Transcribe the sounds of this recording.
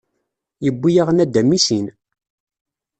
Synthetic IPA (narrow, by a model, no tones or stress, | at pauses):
jəbːijaʁnæd̪ːæmːisin